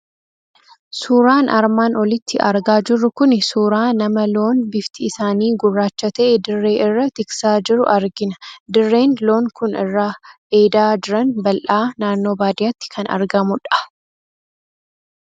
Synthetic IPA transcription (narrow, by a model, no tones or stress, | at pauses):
suːɾaːnʔɐɾmaːnɔlɪt̪ʰːɪʔɐɾɡaːd͡ʒɪrːʊkʊnsuːɾaːnɐmɐlo̞ːnbɪft̪ɪːsaːniːɡʊrːaːt͡ʃːɐt̪ɐʔɛd̪ɪrːe̞ːʔɪrːɐt̪ɪksaːd͡ʒɪɾʊʔɐɾɡɪnɐd̪ɪrːe̞ːnlo̞ːŋkʊnɪrːaː | e̞ːd̪aːd͡ʒɪɾɐnbɐlʔaːnaːnːo̞ːbaːd̪ɪjat̪ːɪ̥kʰɐnɐ̰ɾɡɐmʊᶑɐ̥